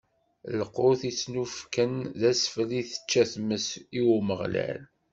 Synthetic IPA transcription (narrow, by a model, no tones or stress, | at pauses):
ləqoθisnufkənðæsfəliθə̥t͡ʃːæθməsiwməʁlæ̰l